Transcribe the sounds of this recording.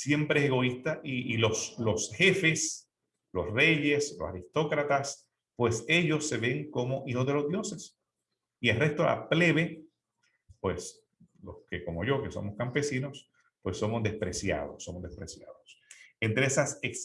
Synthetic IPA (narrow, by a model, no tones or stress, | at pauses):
sje̞mpɾeeseɣo̞ist̪aʔiiloslo̞sxe̞fe̞s | lo̞sre̞ʝe̞slo̞saɾist̪o̞kɾat̪as | pwe̞se̞ʝo̞sːe̞βe̞ŋko̞mo̞ʔiho̞zðe̞lo̞zðjo̞se̞s | ielre̞st̪o̰la̰ple̞βe̞ | pwe̞s | lo̞̰skeko̞mo̞ʝo̞ke̞so̞̰mo̞skampe̞sino̞s | pwe̞sːo̞mozd̪e̞spɾe̞sja̰ð̞o̞sːo̞mozðespɾesja̰ðosent̪ɾeesaseks